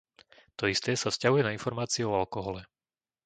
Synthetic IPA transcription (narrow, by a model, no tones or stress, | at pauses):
t̪ɔist̪ɛːsafscaɦujɛnainfɔɾmaːt͡siɛɔalkɔɦɔlɛ